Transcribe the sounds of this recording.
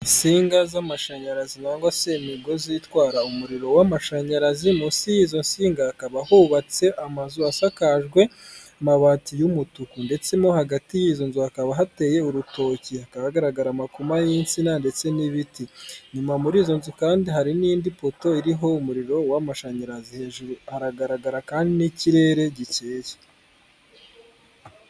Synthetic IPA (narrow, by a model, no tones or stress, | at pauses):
insiːŋɡazamaʃaɲaɾazinaːŋɡasemiɡo̞zitwaːɾaumuɾiɾo̞wamaʃaɲaɾazimusijizo̞nsiːŋɡaːkaβahuβat͡se̞ʔamazuasakaʒɡwe̞ | amaβatijumutukunde̞t͡se̞mo̞haɡatijizo̞nzuakaβaɦate̞je̞uɾutʰo̞ːciakaβaɡaɾaɡaɾamakumajinsinande̞t͡se̞niβitiɲumamuɾiːzo̞nzukaːndiɦaɾiniːndipo̞to̞iɾiɦo̞umuɾiɾo̞wamaʃaɲiɾaziheːʒuɾuhaɾaɡaɾaɡaɾakaːndiniciɾe̞ːɾe̞ɟit͡ʃeːze